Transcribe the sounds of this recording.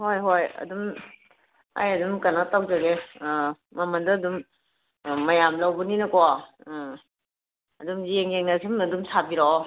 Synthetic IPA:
hojɦojɐ̰dum | a̰jɐdumkanaktawzaɡe | mːamandɐːdum | mɐjamlawbɯninɐkɔ | ɐdumzijeŋjeŋnasʰimɐdumsʰabiɾɔ

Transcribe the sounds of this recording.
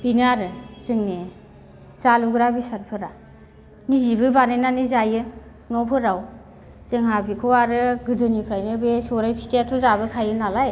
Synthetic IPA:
binaɾɯzɯŋne | z̥aluɡɾabisaɾpʰɯɾa | mizibɯbanenanizajɯ | nɔpʰɯɾaw | z̥ɯŋɦabikʰɔwaɾɯɡɯdɯnikʰɾajnɯbesɔɾajpʰi̥tatʰɔzabɯkʰajɯnalaj

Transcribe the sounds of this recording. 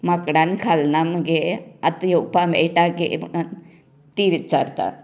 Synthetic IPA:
mɐkɽankʰalnamɡeɐt̪joːpamḛːʈaɡḛmnan | t̪iːʋit͡ʃaɾt̪a̰

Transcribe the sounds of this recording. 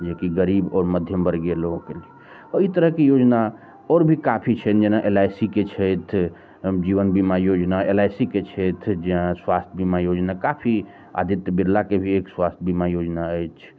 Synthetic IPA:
d͡ʒekiɡəɾibɔːɾməd̪ʱjəmbəɾɡjeloɡkelie | əit̪əɾəɦkejod͡ʒna | ɔːɾbʱikapʰit͡ʃʰɛnd͡ʒenaʔelajsiket͡ʃʰɛjt̪ʰ | d͡ʒiʋənbimajod͡ʒnaelajsiket͡ʃʰɛt̪ʰd͡ʒeãswast̪ʰəbimajod͡ʒnakapʰi | a̰d̪ʱit̪jbid̪lakebʱiekswast̪ʰbimajod͡ʒnaəjt͡ʃʰ

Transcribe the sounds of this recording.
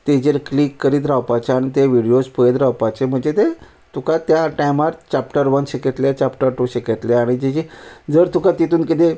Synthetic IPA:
t̪ed͡ʑeɾklikːəɾiːt̪̬ɾawpat͡ɕeaɽ̃it̪eʋiɽijospəjet̪ɾawpat͡ɕem̤əɳd͡zet̪e | t̪ukat̪jaʈajmaɾt͡ɕapʈəɾʋənɕeket̪lat͡ɕapʈəɾʈuːɕeket̪leaɽ̃id͡ʑet͡ɕid͡zəɾt̪ukat̪it̪uːnkit̪e

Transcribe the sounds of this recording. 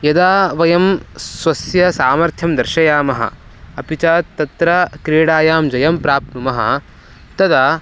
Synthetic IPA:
jɐd̪aːʋɐjɐmsʋɐsjɐsaːmɐɾt̪ʰjɐmd̪ɐɾʃɐjaːmɐɦɐ̰ | ɐpit͡ʃaːt̪ːɐt̪ɾɐkɾeːɽaːjaːmd͡ʒɐjɐmpɾaːpnumɐɦɐ̰ | t̪ɐd̪ɐ

